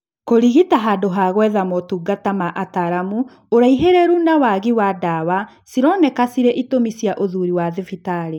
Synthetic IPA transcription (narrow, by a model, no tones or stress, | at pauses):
koɾiɣitaɦadoɦaɣwɛðamɔtuːɡatamaʔataɾamu | oɾaiɦeɾɛɾunawaɣiwadawa | siɾɔnɛkasiɾeʔitomisjaʔoðuɾiwaðefitaɾe